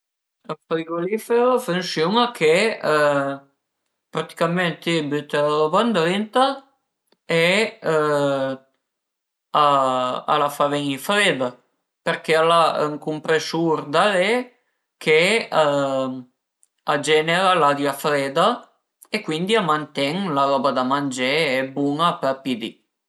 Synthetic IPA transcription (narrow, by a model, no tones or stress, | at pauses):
fɾiɡolifeɾofensumak̟ʰe | pɾat̪i̥kament̪ebyt̪eloband̪ɾent̪a | e | aa̰lafaɾeŋifɾeːd̪a | peɾkealaŋkumpɾesuɾd̪ale | kʰea | ad͡ʒɛneɾalad̪jafɾɛːd̪a | ekːwind̪iamːant̪ɛŋlaɾɔbad̪amand͡ʒeːbuŋapapid̪ḭ